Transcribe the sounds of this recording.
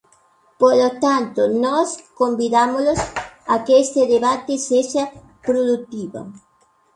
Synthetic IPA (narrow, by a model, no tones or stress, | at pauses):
polot̪ant̪onɔskombiðamolosɐkest̪eðeβat̪eseʃɐ | pɾoðut̪iβɐ̰